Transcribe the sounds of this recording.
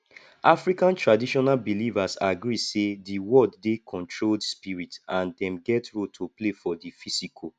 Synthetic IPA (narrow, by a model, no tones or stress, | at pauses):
ʔafɹikãntɹadiʃɔnalbilivasaɡɹisediwɔlddekʰɔ̃ntʰɹoldspiɹitãndɛ̃mɡɛtɹotʰoplefɔdifisikʰo